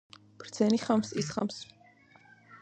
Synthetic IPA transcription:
b̥ɾd̪sɛniχamsisχams

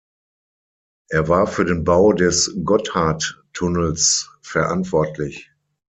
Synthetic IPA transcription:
ʔeːɐvaːɐfyːɐɾeːnbaʊdɛsɡɔthaɐttʰːʊnəlsfɛɐʔa̰ntv̥ɔɐtʰlɪç

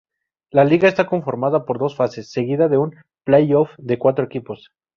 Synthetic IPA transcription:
laliɣae̞st̪ako̞ɱfo̞ɾmaðapo̞ɾðo̞sfase̞sːe̞ɣiðaðe̞un | plejofd̪e̞kwat̪ɾoekipo̞s

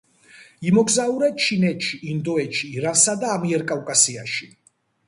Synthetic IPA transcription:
imɔɡzauɾɛt͡ʃʰinɛt̪ʃʰiʔːnd̪ɔɛʃʰiːɾansad̪aːmiɛɾkʼawkʼasiaʃi

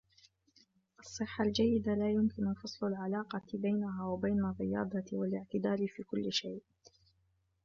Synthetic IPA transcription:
ʔɑsˤːɨħːald͡ʒajːɪd̪alaːjʊmkɪnʊfɑsˤlalʕalɑːqɑbajnaɦaːwabajnarːɪjɑ̰ːd̪ˤɑwalɪʕt̪ɪd̪aːlɪfiːkʊlːɪʃajʔ

